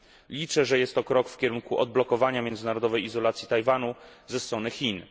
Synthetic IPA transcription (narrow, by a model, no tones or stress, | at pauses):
lʲit͡ʂɛʐɛjɛst̪ːɔkɾɔkfkʲɛɾuŋkuʔɔ̰d̪̚blɔkɔvaɲamʲjɛnd̪zɘnaɾɔd̪ɔvɛjizɔlat̪sʲji̥t̪ajvanuzɛst̪ɾɔnɘxʲin